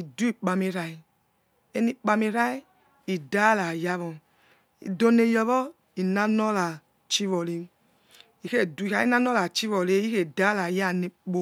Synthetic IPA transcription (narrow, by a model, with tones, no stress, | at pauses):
i˨du˦i˨k͡pa˧mi˧ɾa˧i˨ | e˦ni˦k͡pa˧mi˧ɾa˦i˦ | i˨da˦la˨ja˦βɔ˨ | ḭ˨do˦ne˧˨jɔ˧βɔ˦ | i˨na˦nɔ˦la˨ | t͡ʃi˦vɔ˨le˧˦ | i˨ke˦˨du˨i˨ka˨˦i˦na˦nɔ˦la˨t͡ʃi˦vɔ˨le˦i˦ke˦˨da˦la˨ja˦˨ni˨k͡po˧˦